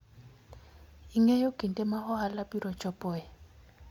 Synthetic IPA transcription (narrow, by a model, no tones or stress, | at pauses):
iŋɛjoɡ̥ʱintʼɛmahɔhalapʼiɾɔt͡ʃʰʼɔpʼɔːjɛ